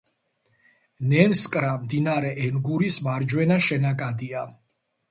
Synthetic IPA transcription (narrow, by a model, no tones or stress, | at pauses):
nɛnskʼɾamd̪inaɾɛʔɛnɡuɾismaɾd͡ʒwɛnaʃɛnakʼad̪ia